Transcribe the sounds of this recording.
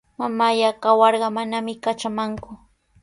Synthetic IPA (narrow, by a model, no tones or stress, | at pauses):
mamajakawɑɾɢɑmanamɪkat͡ʃamaŋkʊ